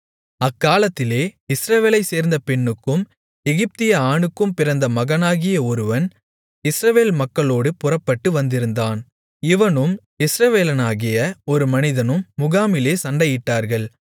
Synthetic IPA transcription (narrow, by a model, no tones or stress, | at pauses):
ɐkːaːlɐt̪ːɪleːɪsɾɐʋeːlɐɪseːɾnd̪ɐpɛɳːɯkːɯm | ɛɣɪp̚t̪ɪjɐaːɳɯkːɯmpɪɾɐnd̪ɐmɐɣɐnaːɣɪjɐɔɾɯʋɐn | ɪsɾɐʋeːlmɐkːɐɭoːɽɯpʊrɐpːɐʈːɯʋɐnd̪ɪɾɯnd̪aːn | ɪʋɐnɯm | ɪsɾɐʋeːlɐnaːɣɪjɐɔɾɯmɐnɪðɐnɯmːʊɣaːmɪleːsɐɳɖɐjɪʈːaːɾɣɐɭ